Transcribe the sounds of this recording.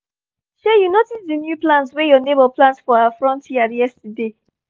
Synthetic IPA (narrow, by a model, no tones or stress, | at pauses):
ʃɛjunotiddinjuplãnswɛjɔnebəplãnsfɔaafɹɔ̃ntjiadjɛstəde